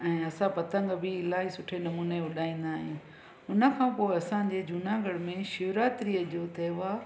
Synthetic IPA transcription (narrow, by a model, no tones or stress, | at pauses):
ɛ̃ːɐsãpɐt̪ə̃ŋɡbʱɪːlaːɦisʊʈʰenɐmuːneʊɗaːĩːn̆d̪aːɦɪ̃ː | ʊnə̆kʰãːpoːɪɐsãɲd͡ʑed͡ʑuːnãːɡəɽmẽʃʊːɾaːt̪ɪɾiəd͡ʑoːt̪ʰeːʋaː